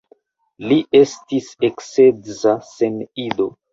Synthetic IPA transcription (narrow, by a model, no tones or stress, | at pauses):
liʔe̞stisekset͡sase̞nido̞